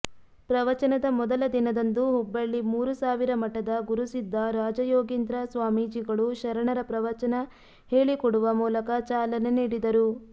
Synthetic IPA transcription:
pɾɐʋɐt͡ʃɐnɐd̪ɐmɔd̪ɐlɐd̪inɐd̪ɐnd̪uɦubːɐɭːimuːɾusaːʋiɾɐmɐʈːɐd̪ɐɡuɾusid̪ːɐɾaːd͡ʒɐjoːɡind̪ɾɐsʋaːmiːd͡ʒiɡɐɭuʃɐɾɐɳɐɾɐpɾɐʋɐt͡ʃɐnɐ | he̞ːɭikɔɽuʋɐmuːlɐkɐt͡ʃaːlɐneniːɽid̪ɐɾu

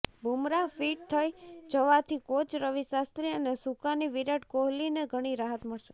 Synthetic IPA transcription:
bʱumɾafiʈ̚t̪ʰəjd͡ʒəʋat̪ʰikot͡ʃɾəʋisast̪ɾiənesukaniʋiɾəʈ̚koɦlineɡʱəɽ̃iɾaɦət̪məɭʃe

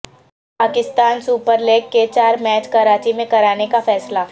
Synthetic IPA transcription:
paːkɪst̪aːnsuːpəɾleːɡket͡ʃaːɾmɛːt͡ʃkɐɾaːt͡ʃimẽkɐɾaːnekafɛːsla

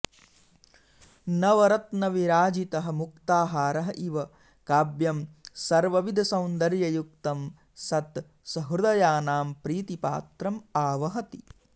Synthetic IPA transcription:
nɐʋɐɾɐt̪nɐʋiɾaːd͡ʒit̪ɐɦɐ̆mukt̪aːɦaːɾɐɦɐʔiʋɐ | kaːbjɐmsɐɾʋɐʋid̪ʱɐsɐwnd̪ɐɾjɐjukt̪ɐm | sɐt̪ | sɐɦɾud̪ɐjaːnaːmpɾiːt̪ipa̰ːt̪ɾɐmaːʋɐɦɐt̪i

